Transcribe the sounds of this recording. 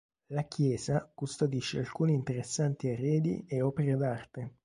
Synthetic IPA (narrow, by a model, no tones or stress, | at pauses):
lakjɛːzakust̪od̪iʃːealkuːnint̪eɾesːant̪iarːɛːd̪ḭeɔːpeɾed̪art̪e